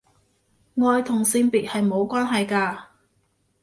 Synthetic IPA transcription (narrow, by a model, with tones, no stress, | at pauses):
ŋɔː˧jt̪ʰʊ˨˩ŋsiː˧npiː˨t̚hɐ˨jmo˨˧wkʷaː˥nɦɐ˨jkaː˧